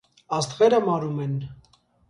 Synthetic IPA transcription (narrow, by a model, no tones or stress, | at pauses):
ɑst̪ʁɛɾəmɑɾumɛn